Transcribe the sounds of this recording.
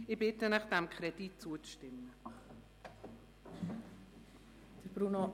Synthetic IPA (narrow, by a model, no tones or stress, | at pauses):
ɪbɪtənaχd̥ɛmkʰχɾɛdit̚t͡suət͡sʃtɪmːə | d̥əɾb̥ɾuno